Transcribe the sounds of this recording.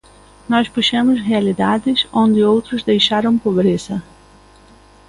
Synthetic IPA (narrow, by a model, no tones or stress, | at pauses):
nɔspuʃɐ̃mʊzʁealid̪ad̪ɪzõnd̪ɪowt̪ɾʊzd̪ejʃaɾɐ̃w̃pobɾesɐ